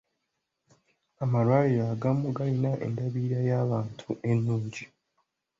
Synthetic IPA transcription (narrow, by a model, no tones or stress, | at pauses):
amalwaːlijaːɡamuɡalinaʔḛndaβiːɾajaːβaːntʰue̞nːuːɲɟi